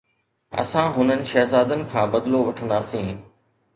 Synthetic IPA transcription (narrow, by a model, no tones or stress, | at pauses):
ɐ̰sãɦʊnənɪ̆ʃɐɦzaːd̪ənɪ̆kʰãːbɐd̪loʋɐʈʰə̃nd̪aːsĩː